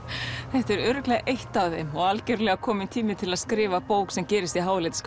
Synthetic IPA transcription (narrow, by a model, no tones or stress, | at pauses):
θɛht̪ɛɾʏːɾʏklɛɣʔejht̪awðejmɔɣalcɛɾlɛɣakʰɔːmɪnt̪ʰiːmɪt̪ʰɪlaðskɾɪːvapowksɛmcɛːɾɪst̪iɦaːwlet̪sk